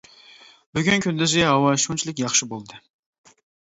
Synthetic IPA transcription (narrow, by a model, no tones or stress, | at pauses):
byɡʲynkʲʰynd̪ɪzɛɦɑwɑʃunt͡ʃʰilˠɪkʲjɑχʃɪbolˠd̪ɨ